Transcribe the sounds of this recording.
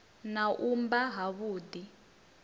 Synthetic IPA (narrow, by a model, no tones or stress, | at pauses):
naʔumbaɦaβuːd̪i